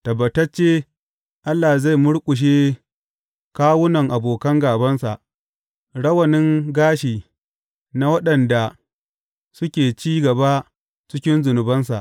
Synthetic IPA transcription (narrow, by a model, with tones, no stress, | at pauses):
tɐ˨bɐ˨tɐ˦t͡ʃeː˦ | ʔa˦lːaː˨za˦˨jmʊ˦ɽkʷʼʊ˨ʃ̬eː˦ | kaː˦wʊ˦nɐ˨ŋʔa˨boː˨kɐ˦ŋɡaː˨bɐ˦nsa˨ʔ | ɽɐ˦wɐ˨nɪ˦ŋɡaː˦ʃiː˨ | na˦wɐ˦ɗɐ˨nda˨ | sʊ˦kʲeː˨t͡ʃiː˦ɡɐ˨ba˦ | t͡ʃɪ˦kʲɪ˦nzʊ˨nʊ˨bɐ˦ns̬a̰˨ʔ